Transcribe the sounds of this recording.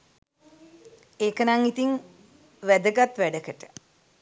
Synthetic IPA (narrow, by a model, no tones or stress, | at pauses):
eːkənaŋit̪iŋ | ʋæd̪əɡat̪ʋæɖəkəʈə̥